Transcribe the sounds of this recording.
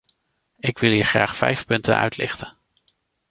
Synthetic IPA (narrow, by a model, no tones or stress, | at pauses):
ɪkʋɪlˠɦiːɹχra̰ːχfɛ̰jfpɵntə̰nœ̰ɥtlɪ̰χtən